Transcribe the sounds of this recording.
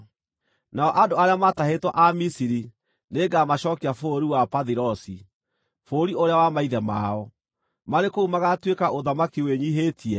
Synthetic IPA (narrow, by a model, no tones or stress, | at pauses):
naɔʔadoaɾeamatahetwɔʔamisiɾi | neːɡamaɕɔːkeafoɾiwapaðiɾɔsi | foːɾioɾeawamaiðɛma̰ɔ | maɾekoumaɣatwekaʔoðamakiweɲiɦetʰiɛ